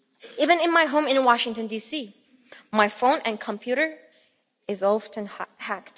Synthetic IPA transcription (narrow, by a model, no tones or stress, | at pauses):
ivɨ̃nɨ̃nmaɪɦõʊ̃mɪ̃nwɑʃɪ̃ŋtɨ̃ndisi | maɪfõʊ̃nɨ̃nkʰə̃mpʰj̥uɾə˞ | ɪzolˠftɨ̃nhækt